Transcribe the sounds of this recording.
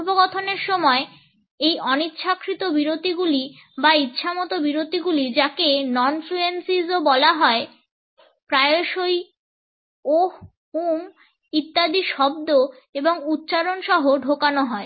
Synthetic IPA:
boɡɔt̪ʰoneɾʃɔmɔe | ejʔɔnitːɕʰakːɾit̪obiɾot̪iɡulibait̪ːɕʰamɔt̪obiɾot̪iɡulid͡ʑakenɔnfluensizobɔlaɦɔe | pɾaeoʃoj | o | um | it̪ːad̪iʃɔb̚d̪o | eboŋut̪ːɕaɾonʃɔɦoɖʱokanoɦɔe

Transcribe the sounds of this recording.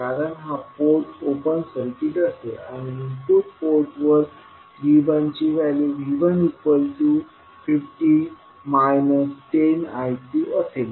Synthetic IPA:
aɾənɦapoɾʈopənsəɾkiʈəsea̰ɽ̃iɦitupoɾʈʋɔz | ʋibãɲt͡ɕiʋæljiʋiʋənipːəlʈu | fifʈi | majnəsʈenajtiəsel

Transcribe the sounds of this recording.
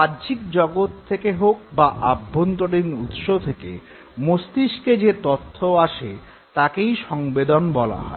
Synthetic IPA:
badd͡ʑikd͡ʑɔɡot̪ʰːekeɦok̚baʔabʱːont̪oɽinut̪ʃot̪ʰekḛ | most̪iʃked͡ʑet̪ot̪ʰːoaʃe | t̪akejʃɔŋbed̪onbɔla̰ɦɔ̰e

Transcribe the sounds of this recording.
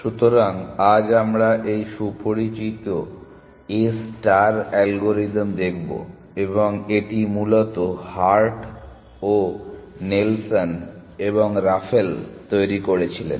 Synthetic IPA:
ʃut̪oɾaŋad͡ʑamɾaʔejʃupoɾit͡ɕit̪o | esʈaɾɛlɡoɾid̪md̪ekʰbo̰ | eboŋeʈimulot̪ohaɾʈ | onelsoneboŋɾafʰelt̪ojɾikoɾet͡ɕʰilḛn

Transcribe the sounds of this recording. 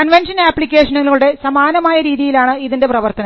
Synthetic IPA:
kɐnʋenʂɐnaːpːlikʲːe̞ːʂɐnɐluluɽe̞sɐmaːnɐmaːjɐɾiːðijilaːɳɨiðinde̞prɐʋɐrt̪ɐnɐ

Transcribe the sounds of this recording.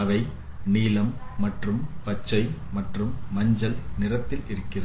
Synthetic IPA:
ɐʋɐɪ | niːlɐmːɐʈrɯmpɐt͡ʃːɐɪmɐʈrɯmːɐɲd͡ʒɐlnɪrɐt̪ːɪlɪɾɯkːɪrɐ

